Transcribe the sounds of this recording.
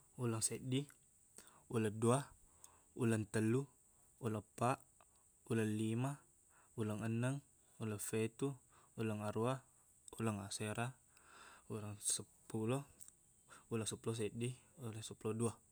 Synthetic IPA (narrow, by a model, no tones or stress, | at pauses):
ulaŋseʔdi | ulədua | ulənt̪əlːu | ulapaʔ | ulənlima | uləŋənəŋ | ulafet̪u | uləŋaɾua | ulaŋaseɾa | ulaŋsəpulɔ | ulaŋsəpulɔs̬eʔdiolasəpulɔdua